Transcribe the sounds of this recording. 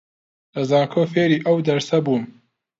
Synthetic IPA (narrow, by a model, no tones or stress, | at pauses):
lɐzaːŋkʰoːfeːɾiːʔɐwd̪ɐɾsɐbuːm